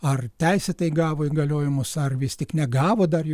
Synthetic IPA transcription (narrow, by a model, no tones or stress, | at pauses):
ɐrt̪ʲɛɪsʲɛt̪ɐɪɡɑːʋoːiɡɐlʲoːjɛmʊsɐrʋʲɪst̪ʲɪknʲɛɡɑːʋoːd̪ɐrj